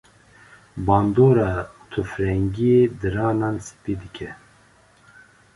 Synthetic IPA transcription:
bɑːnd̪oːɾɑːt̪ʰufɾɛŋɡijed̪ɨɾɑːnɑːnsɨ̥piːd̪ɨkʰɛ

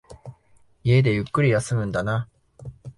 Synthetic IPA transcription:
ie̞d̪e̞jɯkːɯ̟ɾʲijasɨmɯ̟̃nd̪ana

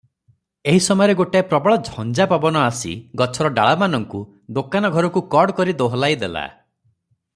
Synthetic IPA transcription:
eɦisɔmɔjɔɾeɡoʈepɾɔbɔɭɔd͡ʒʱɔnd͡ʒapabɔnɔasḭɡɔt͡ʃʰɔɾɔɖa̰ɭamanɔŋku | d̪okanɔɡʱɔɾɔkukɔɾɖkɔɾid̪oɦɔlajd̪ela̰

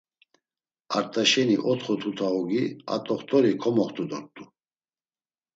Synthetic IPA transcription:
aɾt̪ʼaʃɛniʔɔt̪χɔt̪ʰut̪ʰaɔɡia̰t̪ʼɔχt̪ʼɔɾikʰɔmɔχt̪ʰʼud̪ɔɾt̪ʼu

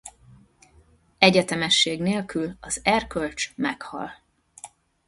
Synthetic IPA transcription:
ɛɟɛt̪ɛmɛʃːeːɡneːlkylɒzɛrkølt͡ʃmɛkhɒ̰l

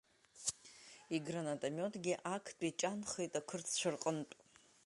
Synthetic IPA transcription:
iɡranatʼamʲotʰʼɡʲiʔakʰpʼit͡ʃʼanχejtʼakʷʰɨrt͡sʰt͡ɕʷʰarqʼənpʼ

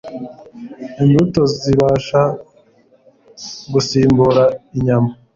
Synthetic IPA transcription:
inbutoziβaːʃa | ɡusiːmbuɾaiɲama

